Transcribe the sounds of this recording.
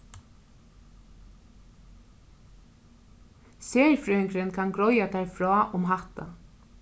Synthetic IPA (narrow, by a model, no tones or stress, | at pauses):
seːɹfɾœʏŋkɾɪnkʰanɡɾɔjat̪ʰæɹfɾɔːʔʊmɦat̪a̰